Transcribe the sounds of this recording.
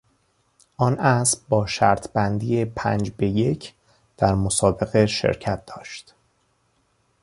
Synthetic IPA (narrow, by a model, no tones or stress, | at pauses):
ʔɒːnʔæsbbɒːʃæɾt̪ʰbænd̪iːepʰæ̰nd͡ʒbe̞je̞cʰ | d̪̥æɾmosɒːbe̞ɣeʃḛɾcʰæt̪̚d̪ɒːʃt̪